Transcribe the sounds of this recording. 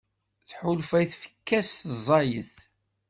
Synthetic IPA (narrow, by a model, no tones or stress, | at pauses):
θħʊlfæjθfə̥kːæsθzˤɑjəθ